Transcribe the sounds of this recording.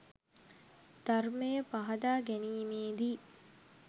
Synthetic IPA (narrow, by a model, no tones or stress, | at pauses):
d̪̥armejəpaɦɐd̪aːɡæniːmeːd̪i